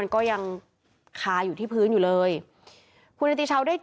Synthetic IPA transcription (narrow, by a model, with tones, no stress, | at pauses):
a˧nkɔː˥˩ja˧ŋ | kʰaː˧juː˨˩iː˥˩pʰɯː˦˥njuː˨˩lɤː˧j | kʰu˧nʔa˧t̪i˧˥t͡ɕʰa˦˥wdaː˥˩j